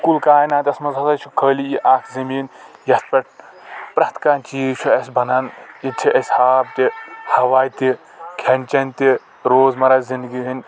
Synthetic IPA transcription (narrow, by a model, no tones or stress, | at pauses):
kulkaːjnaːt̪ʲɐsmɐzɐsɐt͡ʃʰukʰəːlijiʔaːkʰzɐmiːnjɐt̪̚pʲɐʈ̚ | pɾɐt̪ʰkaːnʲt͡ʃiːt͡ʃʰuɐsʲbɐnɐnit͡ʃʰiʔɐsʲhaːb̚t̪ʲihɐʋaːjt̪i | kʲʰenʲt͡ʃɐnʲt̪i | ɾoːzmɐɾazind̪ɡiɦɐnʲ